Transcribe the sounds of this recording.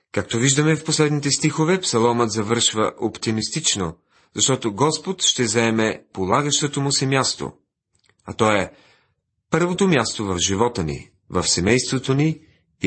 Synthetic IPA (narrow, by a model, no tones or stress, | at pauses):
kak̚t̪oviʒd̪əmɛfposlɛd̪nit̪ɛst̪ixovɛpsɐlˠɔmət̪zɐvɤɾʃvəʔopt̪imist̪it͡ʃno | zɐʃt̪ɔt̪oɡɔspot̪ʃt̪ɛzɐɛmɛpolˠaɡəʃt̪ot̪omʊsɛmʲjast̪o̰ | ɐt̪ɔɛ | pɤɾvot̪omjast̪ovɐvʒivɔt̪ənḭ | vɐfsɛmɛjst̪vot̪oni